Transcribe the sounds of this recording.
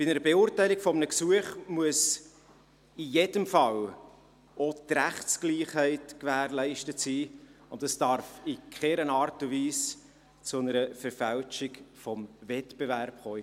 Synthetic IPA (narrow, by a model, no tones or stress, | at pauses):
b̥ɪnəɾəbeʊɾtæɪlikfɔmənəksuəχmuəs | ijed̥əmfɑl | otɾæχtskliːχhɛɪtkvæːɾlɛɪʃtətsiːʊntdɑsd̥ɑɾfɪkχɛɾənɑːɾtʊviːs | t͡sʊnəɾəfəɾfælt͡ʃɪkfɔmvɛtb̥evæɾpχoː